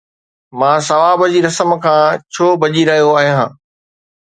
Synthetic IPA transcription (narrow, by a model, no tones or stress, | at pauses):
mãːsɐʋaːbəd͡ʑiɾɐsəmkʰãːt͡ɕʰoːbʱɐʄiɾɐɦijoaːɦijãː